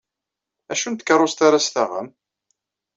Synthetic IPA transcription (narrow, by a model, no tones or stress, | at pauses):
æʃunt̪ə̥kərˤːost̪aɾast̪æʁə̰m